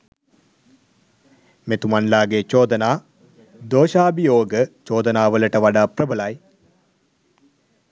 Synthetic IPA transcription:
met̪umanlaːɡet͡ʃoːd̪ənaː | d̪oːʃaːbijoːɡət͡ʃoːd̪ənaːʋələʈəʋaɖaːprəbəlaj

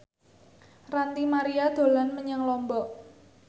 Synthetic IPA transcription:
rant̪imaɾiad̪̥o̤lanməɲəŋlɔmbɔʔ

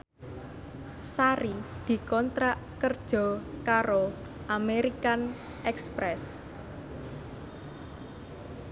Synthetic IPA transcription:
saɾid̪̥i̤kɔnt̪ɾaʔkərd̥ʒ̥ɔ̤kaɾo | ʔameɾikan | ʔɛkspɾɛs

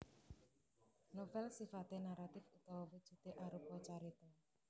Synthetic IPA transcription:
nofɛlsifat̪enaɾat̪ɪfut̪ɔwɔwud̥ʒ̥ṳt̪eʔaɾupɔt͡ʃaɾit̪ɔ

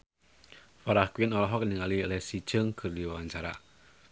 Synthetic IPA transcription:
faɾahkwinɔlɔɦɔk̚niŋalilɛsit͡ʃəŋkʰɨrdiwawaɲt͡ʃaɾa̰

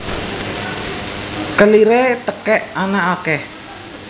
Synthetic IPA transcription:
kəliɾet̪əkɛʔanaʔakɛh

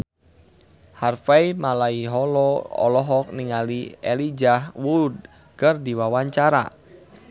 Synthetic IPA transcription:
harfaimalaiɦɔlɔɔ̰lɔɦɔk̚niŋalielid͡ʒahwud̚ | kərdiwawaɲt͡ʃaɾa̰

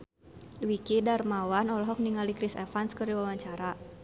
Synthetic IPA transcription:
wikidarmawanɔlɔɦɔk̚niŋalikɾisɛ̰fanskərdiwawaɲt͡ʃaɾa

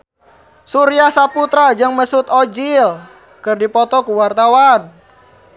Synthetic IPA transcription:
suɾiahsaput̪ɾad͡ʒɨŋməsut̪ɔd͡ʒil | kɨrdipɔt̪ɔkuwart̪awan

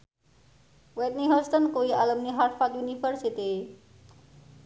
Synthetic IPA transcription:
wɛt̪̚niɦəst̪ənkoialəmniɦaɾʈfat̪junifəɾsit̪i

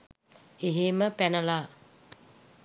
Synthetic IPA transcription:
eɦeməpænəla

